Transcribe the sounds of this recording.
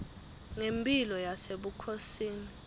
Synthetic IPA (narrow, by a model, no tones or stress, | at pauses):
ŋempʼilɔjaseɓukʰosiːni